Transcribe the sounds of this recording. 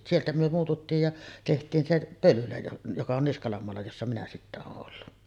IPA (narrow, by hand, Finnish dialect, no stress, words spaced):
sieltæ myø muːtutːiːj jɑ tehtiːn se pølylæ jokɑ on niskɑlɑm moɑlːɑ josːɑ minæ sitːæ oːʔ ʔolːu